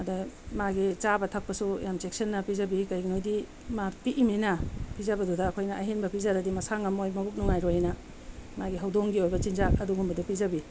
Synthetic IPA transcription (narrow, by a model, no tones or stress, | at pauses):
ɐdɐmaɡit͡ʃabɐtʰɐk̚pɐsujamsek̚sɐnːɐpizɐbikɐjɡinojdi | mapiʔiminɐpʰizɐbɐdudɐːkʰojnɐʔɐɦenbɐpʰizadɐdimɐsaŋɐmojmɐbuk̚nuŋajɾojnɐ | maɡiɦɐwdoŋɡiojbɐt͡ʃinzakɐduɡumbɐdɐpizɐbi